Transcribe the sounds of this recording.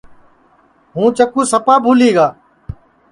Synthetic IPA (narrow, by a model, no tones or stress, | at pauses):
ɦũːt͡ʃəkũːsəpaːbʱuːliːɡaː